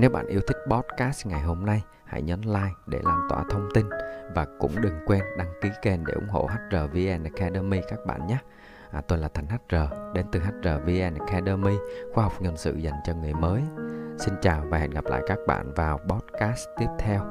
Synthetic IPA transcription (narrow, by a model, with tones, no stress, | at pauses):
ne˨˦wɓa̰ː˧˨nʔi˨˦əwt̪ʰï˦˥k̟̚ɓɔ˦˥t̚kaː˦˥sŋa˨˩jɦo˧mna˧j | ha̰˧˥˩jɲɔ˨˦nlaː˧jɗe˧˩laː˧nt̪wa̰ː˧˩t̪ʰə˧wŋ͡mt̪i˧nvaː˨˩kʊ̰˧˥ŋ͡mɗɨ˨˩ŋkwɛ˧nɗa˧ŋki˨˦ke˧˩nɗe˧˩ʔʊ˧˩ŋ͡mɦo̰˧˨ɦa˦˥jt̚zəː˨˩vi˧ʔɛ˧n˨˩kʰɛ˧ɗəː˧mi˧kaː˦˥k̚ɓa̰ː˧˨nɲaː˨˦˥ | t̪o˧jlaː˨˩ɛ˨˩ŋ̟ɦa˦˥jt̚zəː˨˩ɗe˨˦nt̪ɨ˨˩ɦa˦˥t̚zəː˨˩vi˧ʔɛ˧n˨˩kʰɛ˧ɗəː˧mi˧xwaː˧ɦɔ˨˩wk͡p̚ɲə˨˩nsɨ̰˧˨za˨˩jŋ̟t͡ɕɔ˧ŋɨ˨˩əjməː˨˦jsi˧nt͡ɕaː˨˩wvaː˨˩hɛ̰˨nɣa˨˩p̚la̰ː˧˨jkaː˦˥k̚ɓa̰ː˧˨nvaː˨˩wɓɔ˦˥t̚kaː˦˥st̪i˦˥əp̚t̪ʰɛ˧w